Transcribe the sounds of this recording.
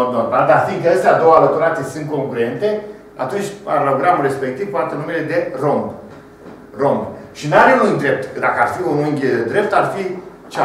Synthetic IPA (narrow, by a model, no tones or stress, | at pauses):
od̪̚no̞rmald̪arfiŋɡkəəst̪ead̪o̞walət̪uɾat̪siesɨnt̪̚ko̞ŋkuɾe̞nt̪e̞ | a̰t̪unt͡ʃʲa̰noɡɾamulɾe̞spe̞k̚t̪iv̥poat̪ənume̞le̞d̪e̞romb | ro̞mbʃinaɾeujd̪ɾe̞p̚t̪d̪akəarfiununʲd̪ɾe̞p̚t̪arfi | t͡ʃa